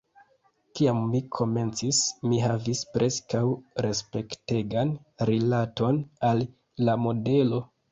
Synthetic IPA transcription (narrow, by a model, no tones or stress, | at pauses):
kiamːikʰo̞me̞nt͡sismiɦavispɾʔe̞skawɾe̞spe̞kte̞ɡan | ɾilato̞nalː | amo̞de̞lo̞